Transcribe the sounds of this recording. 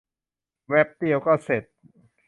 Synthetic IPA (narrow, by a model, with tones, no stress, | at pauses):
wɛ˦˥p̚t̪i˥˩əwkɔː˥˩se˨˩t̪̚